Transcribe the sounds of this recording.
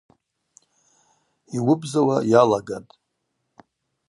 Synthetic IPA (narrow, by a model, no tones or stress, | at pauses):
iwʊbzawajalaɡatʼ